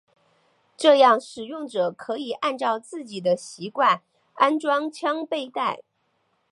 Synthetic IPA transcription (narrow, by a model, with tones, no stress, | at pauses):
ʈ͡ʂɤ˥˧jɑ˥˩ŋʂɻ̩˨˩jʊ˥˩ŋʈ͡ʂɤ˨˩kʰɤ˧˥i˨˩ʔa˥˧nʈ͡ʂɑ˥˧ʊt͡sɹ̩˥˩t͡ɕi˨˩d̪ə˦ɕi˧˥kwa˥˩n | a˥nʈ͡ʂwɑ˥ŋt͡ɕʰjɑ˥ŋpe˥˧ɪt̪a˥˩ɪ